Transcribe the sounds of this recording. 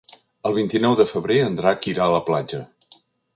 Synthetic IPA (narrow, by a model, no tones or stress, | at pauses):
əlˠβint̪inɔwðəfəβɾeənd̪ɾakiɾaələplad͡ʒə